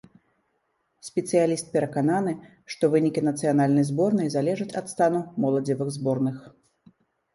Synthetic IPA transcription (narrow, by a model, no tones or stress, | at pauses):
sʲpʲɛt̪sɨjalʲist̪̚pʲɛɾɐkananɨ | ʂt̪ɔvɨnʲikʲinɐt̪sɨjanalʲnɐjzbɔrnɨjzalʲɛʐɐt͡sʲɐt̪st̪anumɔlˠɐd͡zʲɛvɨɣzbɔrnɨx